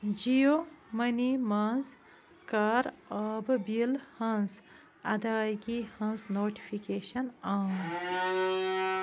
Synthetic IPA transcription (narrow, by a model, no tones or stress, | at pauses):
d͡ʑijomɐnimaːnz | kaɾɐːbbilhɐ̃ns | ɐd̪aːjɡihɐ̃nsnoːʈi̥fʰikeːʃɐnaːn